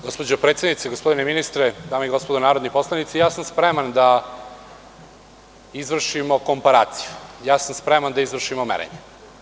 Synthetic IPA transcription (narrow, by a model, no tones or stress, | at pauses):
ɡospod͡ʑopɾet̪sʲed̪nit̪eɡospo̞d̪ineminist̪ɾed̪aːmeiɡo̞spod̪onaːɾod̪nipo̞slˠanit̪sijaːsamspɾemand̪a | izʋr̩ʃimo̞ko̞mpaɾa̰ːt̪si̥jujaːsamspɾemand̪aizʋr̩ʃimomḛɾḛɲe